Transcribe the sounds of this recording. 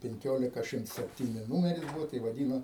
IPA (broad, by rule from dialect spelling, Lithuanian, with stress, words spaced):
pʲɛŋʲˈkʲoːlʲɪkɐ ˈʃʲɪmts sʲɛpʲˈtʲiːnʲɪ ˈnuːmʲɛrʲɪs ˈbʊʋoː tɐɪ ʋɐˈdʲiːnoː